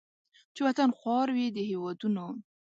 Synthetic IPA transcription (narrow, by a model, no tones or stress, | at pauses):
t͡ʃewat̪anxwɑɾwid̪əhewɑd̪uno